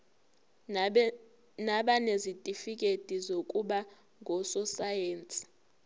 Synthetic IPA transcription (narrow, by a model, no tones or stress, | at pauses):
naɓanezitʼifikʼed̥ʱizokʼuɓa | ŋʱɔsɔsajeːnt͡sʼi̥